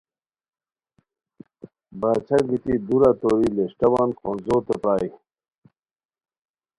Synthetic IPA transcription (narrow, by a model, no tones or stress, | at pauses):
baːt͡ɕʰɐkɡit̪id̪uɾat̪oɾileʂʈɐwɑːnkʰoːnzoːt̪epɾaːi